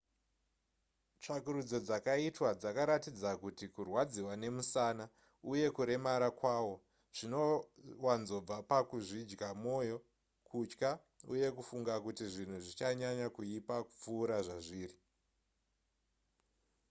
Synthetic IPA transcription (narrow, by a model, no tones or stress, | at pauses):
t͡ʂakuɾud͡zo̞d͡zakaitwad͡zakaɾatid͡zakutikurwad͡ziwane̞musana | uje̞kuɾe̞maɾakwaːwo̞ | ʐ̥ino̞wanzo̞b͡vapakuʐid͡ʒɡamo̞jo̞ | kʰut͡ʃka | ṵje̞kufuŋɡakutiʐin̤uʐit͡ʃaɲaɲakuipakup͡fuːɾaʐaʐiːri